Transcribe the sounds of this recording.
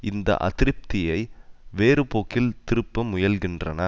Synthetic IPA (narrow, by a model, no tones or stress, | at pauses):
ɪnd̪ɐ̰ʔɐ̰t̪ɪɾɪp̚t̪ɪjɐɪʋeːɾɯpoːkːɪlt̪ɪɾɯpːɐmʊjɐlɣɪndrɐnɐ